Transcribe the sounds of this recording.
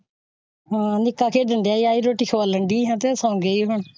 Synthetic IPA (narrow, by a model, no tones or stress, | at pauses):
ɦãːnɪkːaːkʰeːɖəɳɖeaːiːaːiːɾoːʈiːkʰəʋaləɳɖiːɦãːt̪eːsãːŋɡeːiːɦʊɳ